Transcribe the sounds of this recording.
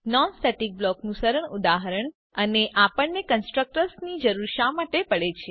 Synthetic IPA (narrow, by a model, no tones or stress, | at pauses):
nɔnsʈ̪eʈik̚blɔknũsəɾəɳʊd̪aɦəɾəɳ | əneʔapəɳːekənsʈɾək̚ʈəɾsnid͡ʒəɾuɾʃamaʈepəɭet͡ʃʰe